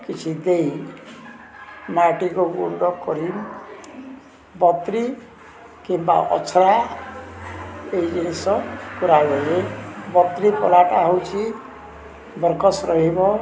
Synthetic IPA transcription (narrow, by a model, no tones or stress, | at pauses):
kit͡ʃʰid̪ej | maʈikoɡṵnɖɔkɔɾim | bɔt̪ɾi | kimba̰ʔɔ̰t͡ʃʰɾa | eid͡ʒinisɔkuɾaɡelebɔt̪ɾipɔ̰laʈaɦɔwt͡ʃʰi | bɔɾkɔsɾɔɦibɔ